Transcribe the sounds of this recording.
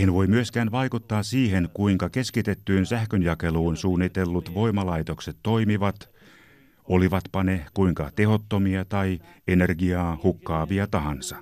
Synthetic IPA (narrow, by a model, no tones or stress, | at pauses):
enʋo̞imyøskæːnʋɑikut̪ːɑːsiːɦenkuiŋkɑkeskit̪et̪ːyːnsæhkønjɑkeluːnsuːnːit̪elːut̪ʋo̞imɑlɑit̪okset̪tːoimiʋɑt̪ | oliʋɑt̪pɑnekuiŋkɑt̪ehot̪ːomiɑt̪ɑienerɡiɑːhukːɑːʋiɑt̪ɑɦɑnsɑ